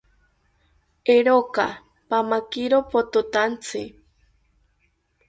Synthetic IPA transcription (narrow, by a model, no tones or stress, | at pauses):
eɾoka | pamakiɾopot̪ot̪ant͡sʰɨ